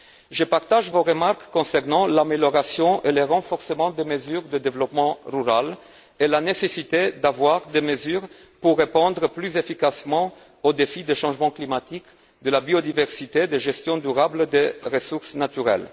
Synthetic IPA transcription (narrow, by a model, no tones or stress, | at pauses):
ʒəpaʁt̪aʒvoʁəmaʁkːɔ̃sɛʁnɑ̃lameljɔʁasjɔ̃ʔeleʁɑ̃fɔʁsəmɑ̃d̪eməzyʁd̪əd̪evlɔpmɑ̃ʁyʁal | elanesesit̪ed̪avwaʁd̪eməzyʁ | puʁːepɑ̃d̪ʁəplyzefikasmɑ̃ | od̪efid̪eʃɑ̃ʒmɑ̃klimat̪ik | d̪əlabiod̪ivɛʁsit̪ed̪eʒɛst̪jɔ̃d̪yʁabld̪eʁəsuʁsnat̪yʁɛ̰l